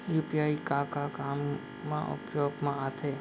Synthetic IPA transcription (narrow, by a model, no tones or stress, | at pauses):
jupiaikakakamː | ã̰ʔʊ̰pjoɡmãat̪ʰe